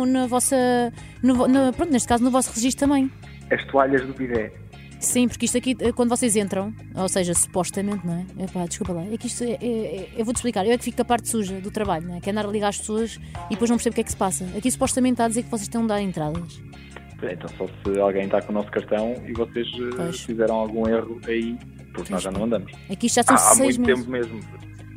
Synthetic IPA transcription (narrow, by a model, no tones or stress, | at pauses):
nɐvɔsɐ | nuvɔnɐpɾõnt̪neʃt̪kazunuvɔsʁɨʒiʃt̪ut̪ɐmɐ̃j̃ | ɐʃt̪uaʎɐʒðupiðɛ | sĩpuɾkiʃt̪ɐkiɛkwɐ̃nd̪vɔsezẽnt̪ɾɐ̃w̃ | osɐʒɐsu̥pɔʃt̪ɐmẽnt̪nɐ̃w̃ɛɛpad̪ɨʃkupɐlˠaɛkiʃt̪uɛʔɛɛewvod̪ʃplˠikaɾewɛkfikɐpaɾt̪suʒɐðut̪ɾɐβaʎuñɛkɛɾɐ̃nd̪aɾɐlˠiɣaɾɐʃpsoɐʃ | iðpojʒñɾseβukɛksɨ̥pasɐɐkisu̥pɔʃt̪ɐmẽnt̪ːaðizeɾkvɔseʃt̪ẽj̃d̪aɾẽnt̪ɾaðɐʃ | pojḛ̃nt̪ɐ̃w̃sɔsɨalˠɣɐ̃j̃t̪akõunɔskɐɾt̪ɐ̃w̃ḭvɔseʃɛpoʃfizɛɾɐ̃w̃alˠɣũeʁuɐi | puɾknɔzʒanɐ̃w̃ɐ̃nd̪ɐmʊʃɛkiʃt̪ʒasɐ̃ã̰msɐj̃tmeẽmpumeʒmu